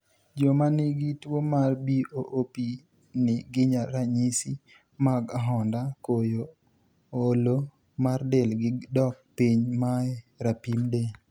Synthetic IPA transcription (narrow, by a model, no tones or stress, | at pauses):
d͡ʒomanɪɡɪtwomarbiʔoʔopi | nɪɡɪɲaɾaɲisi | maɡaɦɔndakojo | olo | mardɛlɡɪdɔk̚piɲmaɛɾapimde